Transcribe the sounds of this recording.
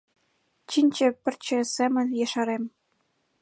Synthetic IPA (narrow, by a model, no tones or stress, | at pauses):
t͡ɕinʲt͡ɕɘ̆pʲɘ̆rʲt͡ɕɘ̆sʲemʲɘ̆nʲjeʃɑɾemʲ